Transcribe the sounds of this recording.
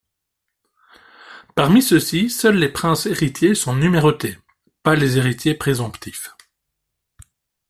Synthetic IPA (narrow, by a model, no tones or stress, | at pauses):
paʁmisəsisœlːepχɛ̃seʁit̪jesɔ̃nymeʁot̪e | palezeʁit̪jepχezɔ̃pt̪ʰif